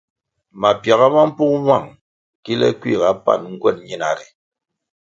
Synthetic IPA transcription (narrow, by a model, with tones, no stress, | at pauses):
ma˨pja˨ɣa˦ma˦m̩˦pu˦kma˦˨ŋ | ki˦lɛ̰˦kwḭ˦˨ɣa˨˦pa̰˦˨nŋ̩˦kwɛ˦˨nɲi˦na˨ɾi˨